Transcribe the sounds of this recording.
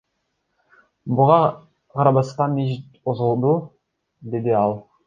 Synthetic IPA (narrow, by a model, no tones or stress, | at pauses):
bʊʁɑ | qʰɑɾɑbɑst̪ɑmeʒt̪ozəlˠd̪u | d̪ed̪ɪɑlˠ